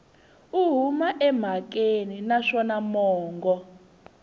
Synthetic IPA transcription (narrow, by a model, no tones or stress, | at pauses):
uɦumaʔɛm̤ak̬ʼeninaʂɔnamɔːŋɡɔ